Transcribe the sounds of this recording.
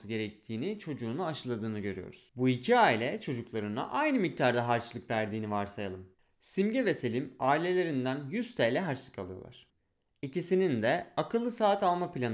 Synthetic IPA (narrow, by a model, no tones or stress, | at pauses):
sɯɟe̞ɾɛc̚t̪ʰiːnit͡ʃʰo̞d͡ʒuːnuaʃɯlˠad̪ɯːnɯɟø̞ɾy̰jo̰ɾuz̥buicʰiaːilʲɛt͡ʃʰo̞d͡ʒuklˠaɾɯna̰ʔajnɯmic̚t̪ʰaɾd̪aɦaɾt͡ʃlˠɯkvæɾd̪iːnivaɾsajalˠɯm | simɟɛve̞selʲimaːilʲe̞lʲe̞ɾind̪ænjyst̪ʰɛjlʲɛɦaɾt͡ʃlˠɯ̥kʰalˠɯjo̰a̰ɾ̝̥ | icisinind̪ɛakʰɯlˠːɯsaːt̪alˠmaplʲan